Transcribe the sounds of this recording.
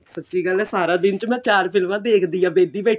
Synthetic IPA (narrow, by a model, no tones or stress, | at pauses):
sətːt͡ʃiːɡəlːɛːsaːɾãːbɪnt͡ʃmɛ̃ːt͡ʃaːɾpʰɪlmãːd̪eːkʰd̪iːãːʋeːd̪iːbɛ